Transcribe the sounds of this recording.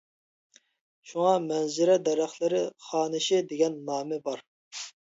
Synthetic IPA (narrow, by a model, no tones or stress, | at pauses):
ʃuŋɑmɛnzɪɾɛd̪ɛɾæχlˠɪɾɪχɑːnɨʃɪd̪eɡʲɛnːɑːmɪbɑɾ